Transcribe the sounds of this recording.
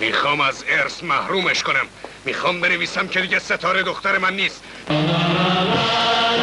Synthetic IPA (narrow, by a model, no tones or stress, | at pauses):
miːxɒːmæzeɾsmæhɾuːmeʃkonæmː | iːxɒːmbeneviːsæmcʰe̞d̪iːɟæset̪ʰɒːɾed̪oxt̪æɾemænːiːst̪